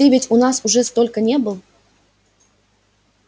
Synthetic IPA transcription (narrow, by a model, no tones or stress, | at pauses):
ivʲɪtʲʊnasʊʐɛst̪olʲkənʲebɨlˠ